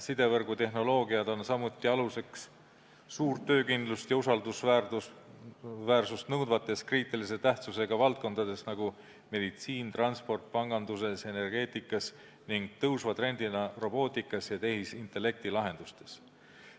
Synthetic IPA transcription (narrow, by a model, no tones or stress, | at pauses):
sid̪e̞vɤrɡ̥ut̪e̞ɦno̞lo̞ːɡiɑd̪o̞nsɑmut̪ːˑiɑluse̞ks | suːrt̪ːø̞ːkind̪lust̪jɑusɑld̪usvæu | væːrsust̪nɤwd̪vɑt̪ːˑe̞skriːt̪ːˑilise̞t̪æht̪suse̞ɡ̥ɑvɑlt̪̚ko̞nd̪̥ɑd̪e̞snɑɡ̥u | me̞d̪it̪siːnt̪rɑnspo̞rt̪̚pɑŋɡ̥ɑnd̪us̬e̞se̞ne̞rɡ̥e̞ːt̪ˑikːˑɑs | niŋɡ̥̚t̪ɤwsvɑt̪re̞nd̪̥inɑro̞bo̞ːt̪ˑikːˑɑsjɑt̪e̞hisint̪ˑe̞lːe̞k̚t̪ilɑɦe̞nd̪̥ust̪e̞s